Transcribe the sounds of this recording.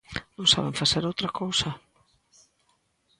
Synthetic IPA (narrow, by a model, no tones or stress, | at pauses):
nõŋsa̰β̞eɱfaseɾowt̪ɾakowsa